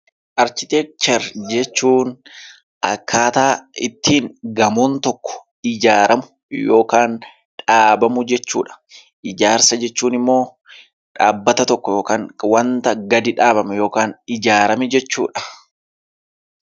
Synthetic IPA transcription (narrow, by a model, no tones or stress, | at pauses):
ʔɐɾt͡ʃɪt̪eːk̚t͡ʃɛɾd͡ʒɛt͡ʃːuːn | ʔɐ̰kʰːaːt̪aːɪt̪ːiːŋɡɐmuːnt̪ɔkːɔ̥ | ɪd͡ʒaːɾɐmʊ | jo̞ːkaːn | ᶑaːbɐmʊd͡ʒɛt͡ʃːṵːᶑɐ̥ | ʔɪd͡ʒaːɾsɐd͡ʒɛt͡ʃːuːnɪmːo̞ː | ᶑaːbːɐt̪ɐt̪ɔkːɔjoːkaːnwɐnt̪ɐɡɐd̪ɪᶑaːbɐmɛjo̞ːkaːnɪd͡ʒaːɾɐmɛd͡ʒɛt͡ʃːṵːᶑɐ̥